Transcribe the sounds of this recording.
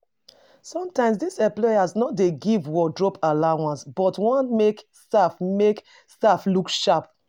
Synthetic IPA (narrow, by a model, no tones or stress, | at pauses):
sɔ̃mtãɪms̬disɛ̃mplɔjasnɔtdeɡivwɔdɹɔpalawãnsbɔtwɔ̃nmekstafmek | staflukʃap̚